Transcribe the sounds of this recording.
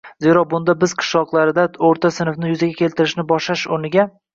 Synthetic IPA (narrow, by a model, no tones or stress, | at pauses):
ze̞ɾɒbʊnd̪abɪz̥qʰɨ̥ʃlˠɒqlˠaɾɪd̪aoɾt̪ʰasɪnfnɪjʊzaɡʲakʲʰe̞lt̪ɪɾɪʃnɪbɒʃlaʃʊɾnɪɡʲa